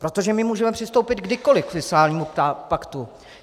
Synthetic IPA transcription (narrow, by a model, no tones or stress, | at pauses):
pɾot̪o̞ʒɛmɪmuːʒɛmɛpr̥ɪst̪o̞wpɪt̪ɡdɪko̞lɪkfɪskaːlɲiːmuapakt̪u